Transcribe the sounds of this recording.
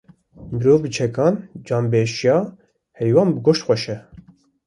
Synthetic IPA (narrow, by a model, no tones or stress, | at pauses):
mɨɾoːvbɨt͡ʃʰɛkʰɑːnd͡ʒɑːnbeːʃjɑː | hɛjwɑːnbɨɡoʃt̪xʷɛʃɛ